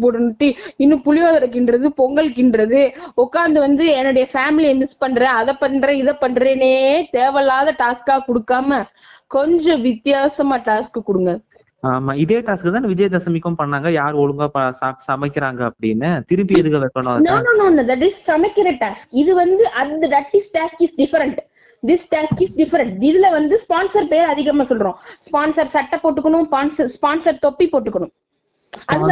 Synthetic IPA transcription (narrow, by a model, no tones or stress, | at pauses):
pɔɽɐnʈːiɪnːɯ̃pʊlɪjaːðɐɾɯk̬ːɪnɖɾɐðɯpɔŋɡɐɭɯkːɪnɖɾɐðɯɔkːaːnd̪ɐʋɐnd̪ɯɛnːʊɽɐjɐfaːmɪliɛmɪspɐɳːɾẽːɐðɐpɐnːɾɛ̃ːɪðɐpɐɳːɾeːneːt̪eːʋɐlaːðɐʈaːskaːkɔɽɯkːaːmɐ | kɔɲd͡ʒɔ̃ʋɪt̪jaːsɐmaːʈaːskɯkɔɽɯŋɡɐ | aːmaːɪðeːʈaːskɯt̪aːnʋɪd͡ʒɐjɐd̪ɐsɐmɪkːɐmpɐɳːaːŋɡɐjaːɾɔɭɯŋɡaːpɐsaːsɐmɐɪkːɪɾaːŋɡɐːpːɐɽɪnːɐt̪ɪɾɯmbiɛðɯɣɐʋɛkːɐnõnoːnoːnoːnɐ̃d̪ɐʈ̬ɪssɐmɐkːɪɾɐʈaːskɪðɯʋɐnd̪ɯʔɐnd̪ɐɖɐʈːɪsʈaːskɪsɖɪfɐɾɐɳʈ | d̪ɪsʈaːskɪsɖɪfɐɾɐɳʈɪðɪlɐʋɐnd̪ɯspaːnsɐɾpeːɾɐðɪɣɐmaːsɔlɾõːspaːnsɐɾsɐʈːɐpːoːʈːɯkːɐɳʊ̃mspaːnsɐɾspaːnsɐɾt̪ɔpːipːoːʈːɯkːɐɳʊ̃m | sʔɐð